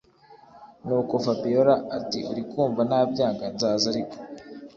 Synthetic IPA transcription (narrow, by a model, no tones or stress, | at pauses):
nuːko̞fabioɾaatiʔuɾikuːmvanaːbɟaːŋɡanzaːzaɾiko̥